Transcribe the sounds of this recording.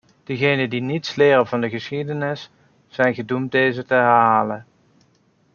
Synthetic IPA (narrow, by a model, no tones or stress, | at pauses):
d̥əɣejnəndinitslɪːrənvɑndəɣəsχidənɪsː | ɛjnχədumt̚dejzətəɦɛɦrɦaːlən